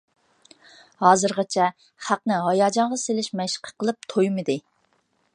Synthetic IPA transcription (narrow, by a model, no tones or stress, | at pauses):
hɑːzɨɾʁɑt͡ʃʰɛ | χæqnɪɦɑjɑːd͡ʒɑɴʁɑselɪʃmɛʃə̥qʰə̥qʰəlˠɨp̚t̪ʰojmɨd̪ɨ